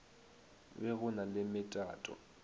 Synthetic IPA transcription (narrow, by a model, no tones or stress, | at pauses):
bɛɣʊnalɪmɪtʼa̰ːtʼɔ̰